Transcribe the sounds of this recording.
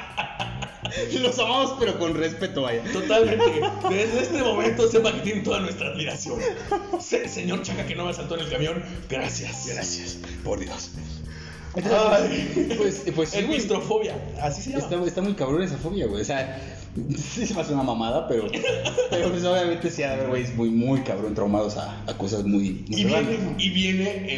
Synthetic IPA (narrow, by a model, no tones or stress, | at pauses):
losamamo̞spe̞ɾo̞ko̞nrespe̞t̪o̞βaʝat̪ot̪almẽnt̪ed̪ezðeest̪e̞mo̞mẽ̞nt̪o̞sepaket̪jent̪o̞ðanwest̪ɾaːðmiɾasjo̞n | sese̞ɲo̞ɾt͡ʃakakeno̞measalt̪oenelkamjo̞ŋɡ̥ɾasjasɡɾa̰sjas | po̰ɾðjo̰s | ent̪a | pwespweseist̪ɾofoβja | asiseest̪aest̪amujkaβɾones̬afo̞βjaɣwejosea | sisemeaseunamamaðapeɾopeɾopwes̬oβjamẽnt̪esiaðaβeɾɣwejsmujmujkaβɾont̪ɾawmaðosa̰ːko̞s̬azmujmuijeiβjene